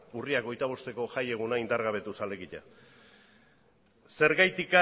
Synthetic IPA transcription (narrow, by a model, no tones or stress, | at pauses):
uriako̞jt̪aβ̞o̞st̪e̞ko̞ʝaje̞ɣ̞unaind̪aɾɣaβ̞e̞t̪usale̞ɣiʎa̰ | se̞ɾɣajt̪ika